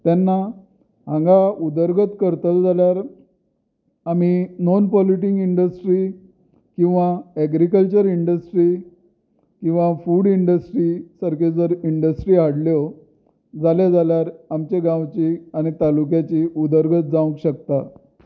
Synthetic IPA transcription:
t̪janːa | ɦãŋɡaud̪əɾɡət̪kəɾt̪əld͡zʱaljaɾ | am̤inɔnpɔliʈiŋɡiɳɖəsʈɾiː | kĩw̃ʋaɛɡɾikəlt͡ɕəɾiɳɖəsʈɾiː | kĩw̃ʋafuɽiɳɖəsʈɾiːsəɾked͡zəɾiɳɖəsʈɾiːɦaɽljo | d͡zaljad͡zaljaɾamt͡ɕeɡãwt͡ɕiːaɽ̃it̪alukjat͡ɕiud̪əɾɡʱət̪̚d͡zãw̃kɕək̚t̪a

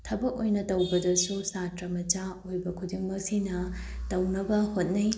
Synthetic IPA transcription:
tʰɐbɐk̚ojnɐtɐwbɐdɐsusatɾɐmɐt͡ʃaojbɐkʰudiŋmɐk̚sinɐ | tɐwnɐbɐhot̚nij

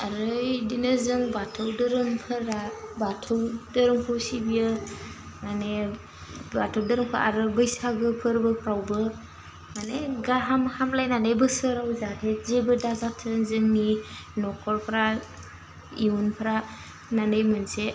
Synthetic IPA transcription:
aɾɯjdinɯzɯŋbatʰɯwdɯɾɯmpʰɯɾabatʰɯwdɯɾɯŋpʰawsibijɯ | mane | batʰɯwdɯɾɯŋpʰaɾa̰ɾɯbɯjsaɡɯpʰɯɾbɯpʰɾawbɯ | maneɡaɦamhamlajnanɯjbɯsɯɾawzatʰezebɯdaɡak̚tʰɯnzɯŋninɔkʰɔɾpʰɾa | iunpʰɯɾa | nanɯjmɯnse

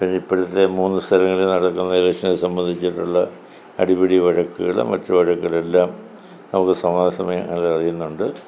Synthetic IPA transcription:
pindeipːɐɾut̪ːe̞muːnːɨst̪ʰɐɾɐŋːɐlunɐɽɐkːunːɐlɐkʂɐnesɐmbɐnd̪ʱit͡ɕːiʈːuɭːɐ | ɐɽibiɽiʋɐɻɐkːɨɣɐ̰ɭ̰mɐ̰tːuʋɐɻɐkːuɣɐɭe̞lːaːm | nɐmukːɨsɐmaːɐsɐmɐjɐɐlɐrijunːuɳɖɨ

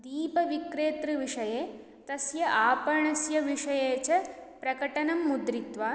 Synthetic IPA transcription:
d̪iːpɐʋikɾeːt̪ɾɨʋiʂɐjeː | t̪ɐsjɐʔaːpɐɾɳɐsjɐʋiʂɐjeːt͡ʃɐpɾɐkɐʈɐnɐmːud̪ɾit̪ʋaː

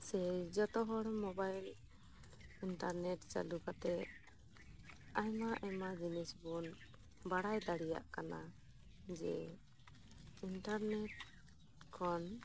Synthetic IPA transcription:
sɛd͡ʒɔt̪ɔɦɔɽmɔbajl | inʈaɾnɛʈt͡ʃa̰lukat̪ɛ | ajmaʔɛmad͡ʒinisbɔn | baɽajd̪aɽija̰ʔkana | d͡ʒɛ̰ | inʈaɾnɛʈ | kʰɔn

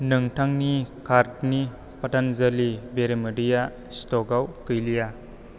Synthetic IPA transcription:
nɯŋtʰaŋnikʰaɾtni | pɐtanzɐlibeɾemɐdija | stɔɡawkɯjlija

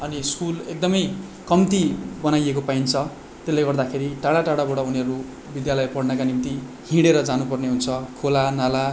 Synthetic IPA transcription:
ʌniskulek̚d̪ʌmʌjkʌmt̪ibʌnajekopaint͡sʰʌ | t̪elːajɡʌrd̪akʰeɾiʈaɽaʈaɽabaɽʌuniʌɾu | bid̪jalʌjpʌɽnʌkanimt̪i | hĩɽeɾʌd͡zanupʌrneɦunt͡sʰʌkʰolanala

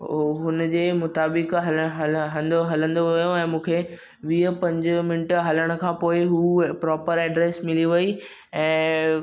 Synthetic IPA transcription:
ɦʊnəd͡ʑeːmʊt̪aːbɪkɦɐɦɐɦɐ̃nd̪oɦɐlə̃nd̪oʋɐjoɛ̃ːmũːkʰeː | ʋiːəpɐ̃ɲd͡ʑʊmɪnɪʈɦɐləɽ̃ʊ̆kʰãːpoːɪɦuːpɾɔːpəɾɛːɖɾeːsmɪliʋɐi | ɛ̃ː

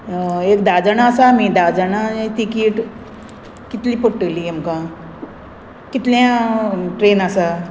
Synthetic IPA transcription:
eːkd̪aːd͡ʒanãsamĩd̪aːd͡ʒanat̪ikiːʈ | kit̪lipoʈːəliɐmkã | kit̪ljãʈɾeːnasa

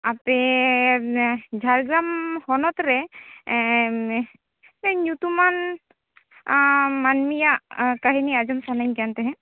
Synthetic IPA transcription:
ape | d͡ʒʱaɾɡɾamhɔnɔt̪ɾɛ | ɛɲut̪uman | manmijakaɦiniad͡ʒɔmsanaɲɡant̪ɛɦɛ̃

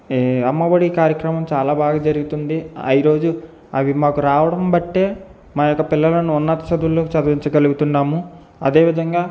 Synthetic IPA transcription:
ɐmːɐbɐɽikaːɾjɐkɾɐmɐmt͡ʃaːlaːbaːɡaːd͡ʒɐɾuɡut̪und̪iɐjiɾo̞ːd͡ʒu | ɐʋimaːkuɾaːʋɐɽɐmbɐʈːe̞ː | maːjɔkːɐpilːɐlɐnuunːɐt̪ɐ̥sɐd̪ulːoːkit͡ʃɐd̪ɐʋiɲt͡ʃɐɡɐluɡut̪uɳɖaːmu | ɐd̪e̞ːʋid̪ʱɐŋɡaː

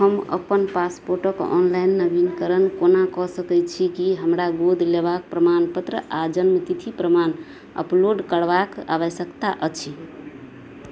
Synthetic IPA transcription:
ɦəmə̰pənpaspoɾʈəkɔ̰nlainːəbinkəɾənkonakɔsəkɛt͡ʃʰikiɦəmɾaɡod̪ʱlebak̚pɾəmanpət̪ɾəʔad͡ʒənmət̪it̪ʰipɾəman | ə̰ploɖkəɽbaka̰βəsəkt̪aʔət͡ʃʰi

